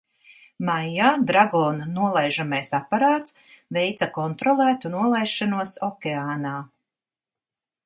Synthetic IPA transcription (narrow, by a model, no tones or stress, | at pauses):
majːaːd̪ɾaɡɔːnanːuɔlˠajʒamajsapːaɾaːt̪svejt̪sakɔnt̪ɾɔlˠæːt̪unuɔlˠajʃːanuɔsɔkʲeaːnaː